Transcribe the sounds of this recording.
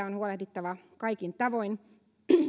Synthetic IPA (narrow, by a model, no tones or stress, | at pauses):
æonhuolehd̪it̪ːɑʋɑkɑikint̪ɑʋoin